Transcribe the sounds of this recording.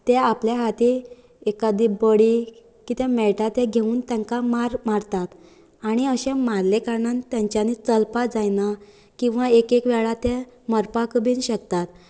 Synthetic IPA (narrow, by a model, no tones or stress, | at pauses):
t̪eapljaɦat̪i | ekad̪ibəɽi | kit̪ɛ̃mɛʈat̪eɡʱeuːnt̪jãŋkamaɾmaɾt̪at̪ | aɽ̃iəɕẽmaɾlekaɾɳant̪jãɲt͡ɕjanit͡səlpad͡zajna | kĩw̃ʋaekekʋɛɭat̪ẽməɾpakəbiːnɕək̚t̪at̪